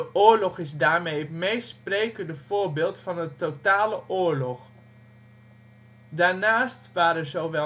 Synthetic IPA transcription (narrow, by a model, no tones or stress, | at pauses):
əʔʊːɹlɔχɪzdaːɹmejətmejspreːkəndəv̥oːɹbeːlˠtfɑnətotaːləʔoːɹlɔχ | daːɹnaːstʋaːɾəzowʋɛ